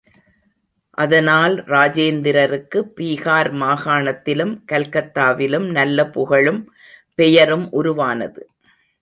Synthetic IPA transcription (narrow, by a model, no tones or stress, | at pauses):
ʔɐðɐnaːlɾaːd͡ʒeːnd̪ɪɾɐɾɯkːɯpːiːɣaːɾmaːɣaːɳɐt̪ːɪlɯmkɐlkɐt̪ːaːʋɪlɯmnɐlːɐpʊɣɐɭɯm | pɛjɐɾɯmʔʊɾʊʋaːnɐ̰ðɯ